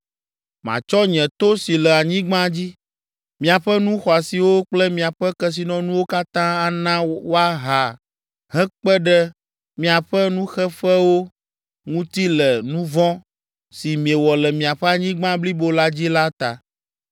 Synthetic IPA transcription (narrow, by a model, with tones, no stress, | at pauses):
mã̰˨t͡ʃɔ˦ɲɛ̃˨t̪o˦si˨lɛ˨a˨ɲĩ˦ɡ͡bã˦d͡ʑi˦ | mĩ˨a˨ɸɛ˦nũ˦xɔ˨a˨si˨wo˦k͡plɛ˦mĩ˨a˨ɸɛ˦kɛ˦s̬i˨nɔ̃˦nũ˦wo˦ka˦t̪ã˦a˦nã˦wo˦a˦ɦa˨ | ɦɛ̃˦k͡pɛ˦ɖɛ˦ | mĩ˨a˨ɸɛ˦nũ˦xɛ˦ɸɛ˦wo˦ | ŋũ˦t̪i˦lɛ˨nũ˦vɔ̃˦ | si˨mĩ˨ɛ˨wɔ˨lɛ˨mĩ˨a˨ɸɛ˦a˨ɲĩ˦ɡ͡bã˦bli˦bo˦la˦d͡ʑi˦la˦t̪a˨